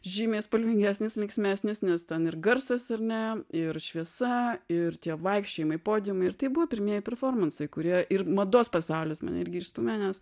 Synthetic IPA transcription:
ʒʲiːmʲeːspɐlʲʋʲɪŋɡʲæːsʲnʲɪsʋʲɛɪksʲmʲæːsʲnʲɪsnʲɛst̪ʲɛnɪrɡɐrsɐsɐɾnʲɛɪrʃʲʋʲiɛsɐɪrt̪ʲiɛʋɐɪkʃʲt͡ʃʲoːjɪmɐɪpoːd̪ʲɪmɐɪɪrt̪ɐɪbuʋɐːpʲɪɾʲmʲiɛjɛpʲɛɾfoːrmɐnsɐɪkʊɾʲiɛʔɪrmɐd̪oːspɐsɑʊlʲeːsmɐ̰nɪɾʲɡʲɪɪst̪umʲæːnʲɛs

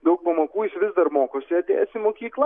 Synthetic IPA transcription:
d̪ɐʊk̚pɐmɐkuːjɪsʋʲɪzd̪ɐrmoːkoːsʲɪɐt̪ʲḛːɛsʲɪmoːkʲiːklˠɐ

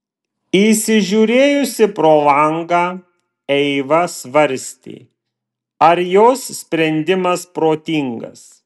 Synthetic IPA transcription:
isʲɪʒʲuːɾʲeːjʊsʲɪpɾoːlˠɐŋɡaː | ɛɪʋɐsʋɐɾʲsʲt̪ʲḭː | ɐɾjoːssʲpʲɾʲɛnʲd̪ʲɪmɐspɾoːt̪ʲiːŋɡɐ̰s

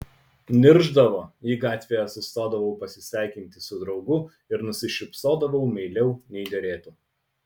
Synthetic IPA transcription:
nʲɪɾʒd̪ɐʋoːiːɡɑːt̪ʲʋʲeːjɛɐsʊst̪oːd̪ɐʋɐʊpɐsʲɪsʲæˑɪkʲɪnʲt̪ʲɪsʊd̪ɾɒʊɡʊ | ɪɾnʊsʲɪʃʲɪpsoːd̪ɐʋɐʊmʲɛɪlʲɛʊnʲɛɪd̪ʲɛɾʲeːt̪uː

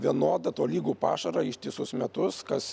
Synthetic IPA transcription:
ʋʲiɛnoːd̪ɐt̪oːlʲiːɡuːpɑ̰ːʃɐɾɐɪʃʲt̪ʲiːsʊsmʲɛt̪ʊskɐs

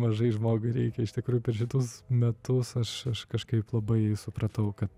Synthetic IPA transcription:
mɐʒɐɪʒmoːɡʊɪɾʲɛɪkʲɛɪʃt̪ʲɪkɾuːjʊpʲɛɾʃʲɪt̪ʊsmʲɛt̪ʊsɐʃɐʃkɐʃkɐɪplˠɐbɐɪsʊpɾɐt̪ɐʊkɐt̪

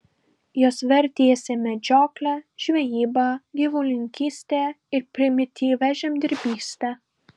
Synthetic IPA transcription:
joːsʋʲɛɾʲt̪ʲiɛsʲɪmʲɛd͡ʒʲoːklʲɛʒʲʋʲɛjiːbɑɡʲiʋʊlʲɪŋʲkʲiːsʲt̪ʲɛ | ɪɾpʲɾʲɪmʲɪt̪ʲiːʋʲɛʒʲɛmd̪ʲɪɾʲbʲiːsʲt̪ʲɛ

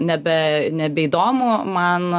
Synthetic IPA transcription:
nʲɛbʲɛnʲɛbʲɛiːd̪oːmʊmɐn

